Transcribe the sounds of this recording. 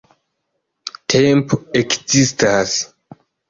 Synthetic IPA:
tʰempoekzistas

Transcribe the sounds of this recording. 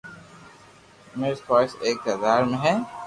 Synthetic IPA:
meːɾspaːseːk̚t̪ɐd̪aːɾmẽɦɛ̃ː

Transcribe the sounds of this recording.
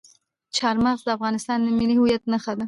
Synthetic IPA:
t͡ʃʰɑɾmaɣzd̪əafɣɑnɪst̪ɑnd̪əmilihujat̪̚nəxad̪ə

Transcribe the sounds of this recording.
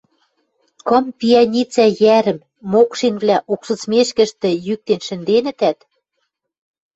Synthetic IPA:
kɤ̆mpʲiɑnʲit͡sæjæɾɘ̆mː | okʃinβlʲæʔukʃɤ̆t͡smeʃkɘ̆ʃt̪ɘ̆jyk̚t̪enʃɘ̆nd̪enɘ̆t̪æt̪

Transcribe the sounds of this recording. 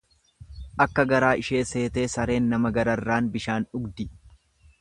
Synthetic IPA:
ʔɐkːɐɡɐɾaːʔɪʃe̞ːse̞ːt̪e̞ːsɐɾe̞ːnːɐmɐɡɐɾɐrːaːnbɪʃaːnᶑʊɡd̪ɪ

